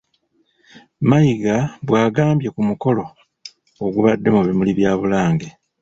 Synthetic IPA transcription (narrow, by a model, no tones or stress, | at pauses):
majiɡaβwaːɡaːmbje̞kumuko̞lo̞ː | ɡuβadːe̞muβimuliβjaːβulaːŋɡe